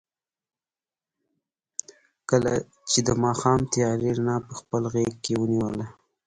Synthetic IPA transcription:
kəla̰ | t͡ʃed̪əmɑxɑmt̪ijɑɾeɾnɑpəxpəlɣekkewəniwəla

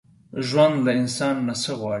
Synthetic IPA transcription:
ʒwand̪laɪnsɑnːasəɣwɑɽi

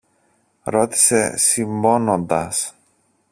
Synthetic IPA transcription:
ɾo̞t̪i̥se̞siɱbo̞nond̪ɐs

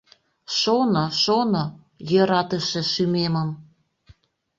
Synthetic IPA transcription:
ʃonoʃono | jøɾɑt̪əʃĕʃymeməm

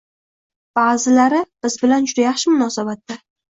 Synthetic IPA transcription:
b̥aːzɪlaɾɪb̥ɪzbɪland͡ʒʊd̪ajɑχʃɪmʊnɒsabat̪ːa

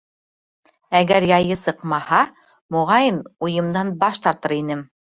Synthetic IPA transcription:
æɡæɾjɑjɤsɤ̆qmɑhɑ | mŏʁɑjɤnujɤ̆md̪ɑnbɑʃt̪ɑɾt̪ɤɾinɘm

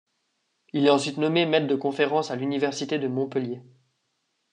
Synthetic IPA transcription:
ilɛɑ̃sɥit̪nɔmemɛt̪̚d̪əkɔ̃feʁɑ̃salynivɛʁsit̪ed̪əmɔ̃pəlje

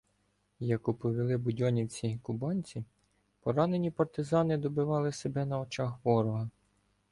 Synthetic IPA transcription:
jɐkupɔʋʲilˠɪbʊdʲɔnʲit͡sʲikʊbɑnʲt͡sʲi | pɔɾɑne̞nʲipɐrt̪ɪzɑnɪd̪ɔbɪʋɑlˠɪsebɛnɐɔt͡ʃɑxʋɔɾɔɦɐ

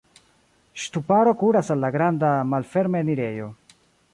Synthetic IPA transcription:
ʃtupaɾo̞kuɾasalːaɡɾandamalfe̞ɾmeniɾe̞jo̞

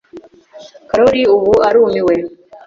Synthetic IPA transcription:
kaɾoɾiuβuaɾuːmiwe

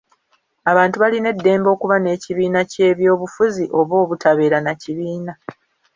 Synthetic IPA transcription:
aβaːntuβaline̞dːe̞ːmbo̞ːkuβane̞ːciβiːnace̞ːβjo̞ːβufuziʔo̞βo̞ːβutʰaβe̞ːɾanaciβiːna

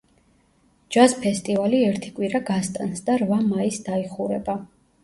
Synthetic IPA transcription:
d͡ʒaspʰɛst̪ʼivaliɛɾt̪ʰikʼwiɾaɡast̪ʼansd̪aɾvamaisd̪aiχuɾɛba

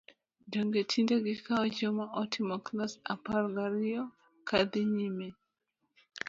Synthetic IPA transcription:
doŋɡetʰindeɡɪkaɔd͡ʒɔmaʔɔtʰimɔknasa̰paɾɡaɾijɔ | kʰad̪ɪɲime

